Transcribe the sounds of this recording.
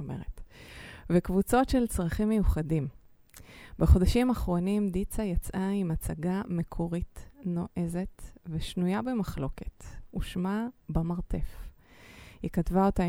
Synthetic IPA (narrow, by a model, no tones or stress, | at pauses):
mḛʁet | vekvut͡so̞tʃe̞lt͡sʁaχimːe̞juχadim | beχo̞daʃimaχʁo̞nimd̪it͡sajat͡sʔaimat͡saɡame̞kʰo̞ʁitno̞ʔe̞ze̞tveʃnujabe̞maχlo̞ke̞tuʃmabamaʁte̞f | hikatvao̞ta